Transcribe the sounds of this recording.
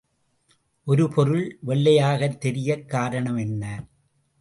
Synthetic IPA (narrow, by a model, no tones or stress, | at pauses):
ʔɔɾɯpʰɔɾɯɭʋɛɭːɐjaːɣɐt̪ːɛɾɪjɐkːaːɾɐɳɐmɛnːɐ